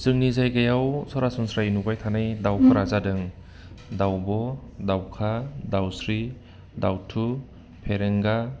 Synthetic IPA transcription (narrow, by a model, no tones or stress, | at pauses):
zɯŋnizajɡajawsɔɾasɔnsɾajnubajtʰanajdawkʰɯɾazadɯŋ | dawbɔdawkʰadawsɾi | dawtʰu | pʰeɾeŋɡa